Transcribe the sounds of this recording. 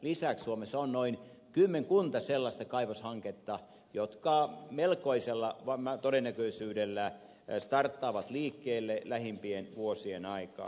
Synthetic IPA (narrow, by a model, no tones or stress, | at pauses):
lisækssuomesonnoin | kymːeŋkunt̪ɑselːɑst̪ɑkɑiʋoshɑŋket̪ːɑ | jot̪kɑˑmelkoiselːɑʋɑmæt̪odenːækøisyːdelːæ | st̪ɑrt̪ːɑːʋɑt̪liːkːeːlːelæhimpienʋuosienɑikɑ̰ː